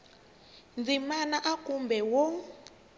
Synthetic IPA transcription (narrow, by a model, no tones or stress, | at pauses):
nd͡zimanaʔakumbɛwɔ